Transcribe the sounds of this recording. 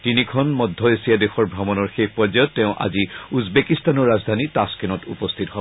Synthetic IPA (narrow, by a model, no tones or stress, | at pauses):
tinikʰɔnmɔdʱːɔesijadexɔɹbʱamɔnɔɹxejpɹɔzajɔtːeʊ̃ʔa̰ziuzbekistanɔɹːazdʱanitaskenɔtṵpɔst̪ʰitɔɦɔb